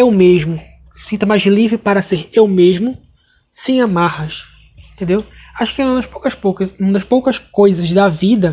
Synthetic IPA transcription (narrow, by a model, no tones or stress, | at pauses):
ewmeʒmʊ̥ | sĩnt̪ʊmajzlivɾɪpaɾɐseɾewmeʒmʊ | sẽj̃amahɐʃ | ẽt̪ẽnd̪ew | aʃʊ̥kɪɐ̃nɐʃpowkɐʃpokɐũd̪ɐʃpowkɐʃkojzɐzd̪ɐvid̪ɐ